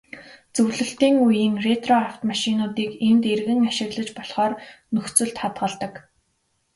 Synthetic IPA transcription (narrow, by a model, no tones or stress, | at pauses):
t͡sɵwɮɵ̆ɬt̪iːŋujiːŋret̪rɔaw̥t̪maʃɪnʊːt̪iːkemt̪erɣɘ̆ŋaʃɪ̆ɣɮə̆t͡ɕpɔɮχɔːrnɵxt͡sɵ̆ɮt̪χat̪ɢə̆ɮt̪ə̆k